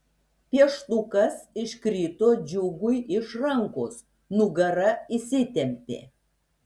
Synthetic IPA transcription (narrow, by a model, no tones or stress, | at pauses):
pʲiɛʃt̪ˠʊkɐsɪʃʲkɾʲiːt̪oːd͡ʒʲʊɡʊjɪʃɾɐŋkoːs | nʊɡɐɾɐisʲɪt̪ʲɛmʲpʲḛː